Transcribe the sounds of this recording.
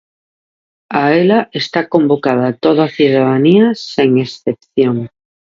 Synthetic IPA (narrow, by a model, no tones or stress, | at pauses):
aelaʔe̞st̪ako̞mbokað̞at̪oðaθjuðaðaniaseŋe̞sθe̞p̚θjoŋ